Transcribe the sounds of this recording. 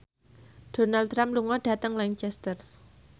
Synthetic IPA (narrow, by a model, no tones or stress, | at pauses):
ɖ̥o̤nalɾampluŋɔɖ̥ä̤t̪əŋlaɲt͡ʃɛst̪ər